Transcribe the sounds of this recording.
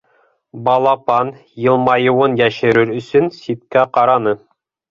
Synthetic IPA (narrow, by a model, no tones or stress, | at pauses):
bɑlˠɑpɑn | jɤ̆lˠmɑjɤ̆wɤnjæʃɘ̆ɾɘɾɵ̆sɵnsit̪kæqɑɾɑnɤ